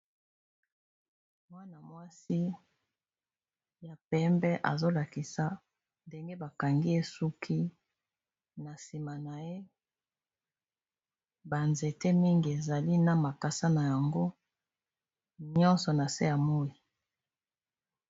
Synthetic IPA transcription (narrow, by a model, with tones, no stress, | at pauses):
mwa˦na˨mwa˦si˦ | ja˨pɛ˦mbɛ˦ʔa̰˨zo˦la˨ki˨sa˨ | nde˦ŋɡe˦ba˨ka˨ŋɡi˦e˦su˦kʰi˦ | na˨si˨ma˨na˨je˦ | ba˨nze˨te˦mi˦ŋɡi˨e˨za˨li˦na˦ma˨ka˨sa˦na˨ja˨ŋɡo˦ | ɲɔ̃˦nsɔ˨na˨se˦ja˨mo˦i˨